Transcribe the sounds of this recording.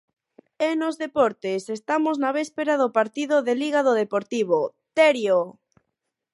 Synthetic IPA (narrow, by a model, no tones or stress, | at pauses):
enozðepɔɾt̪esest̪amoznaβespeɾaðopaɾt̪iðoðeliɣ̞aðoðepoɾt̪iβo | t̪eɾjo